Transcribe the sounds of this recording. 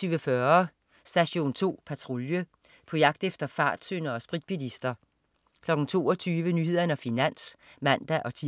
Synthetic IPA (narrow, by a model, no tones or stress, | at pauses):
yːʋəfɶɐ | sd̥æɕo̝̰ːnt͡sʰo̝̰ːpʰæt͡sʰʁo̝ljə | pʰɒ̽jɑ̈ɡ̥̚d̥efd̥ɐfɑ̈ːd̥sø̰nɐɒ̽sb̥ʁid̥̚b̥ilisd̥ɐ | kʰlɒ̽ɡ̥n̩t͡sʰo̝̰ːɒ̽t͡sʰyːʋənyhe̝ð̞̰ˠɐnəɒfinæn̰smæn̰d̥æʔɒ̽t͡sʰi